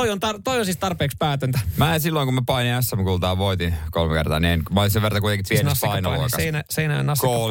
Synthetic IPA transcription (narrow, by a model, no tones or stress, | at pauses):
oiont̪ɑt̪oijonsistt̪ɑrpeːkspæːt̪ønt̪æmæːsilːoiŋkummæpɑiniæsːæmkult̪ɑːʋʋoit̪inkolmekḛrt̪ɑ̰ːnienmæolinseʋert̪ɑkuit̪eŋkit̪ʋiennpɑinoloskɑeinæseinæø̰nɑsko